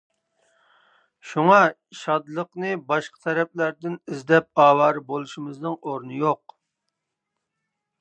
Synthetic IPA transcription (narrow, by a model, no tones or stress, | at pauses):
ʃuŋɑ | ʃɑd̪lˠəqnɨbɑʃqʰɑ̥t̪ʰɛɾɛp̚læɾd̪ɪnizd̪ɛp̚ɑːwɑːɾbolˠuʃimɨznɨŋoɾnɨjoq